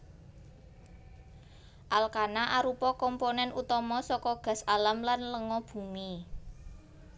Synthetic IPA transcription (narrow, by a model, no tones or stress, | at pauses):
ʔalkanaʔaɾupɔkɔmponɛnʔut̪ɔmɔsɔkɔɡ̥a̤saləmlanləŋɔb̥ṳmi